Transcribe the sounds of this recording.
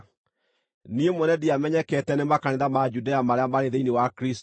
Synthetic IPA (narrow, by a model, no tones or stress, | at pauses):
niemwɛnɛdiamɛɲɛkɛtɛnemakaneðamad͡ʒudeamaɾeamaɾeðeiniwakɾist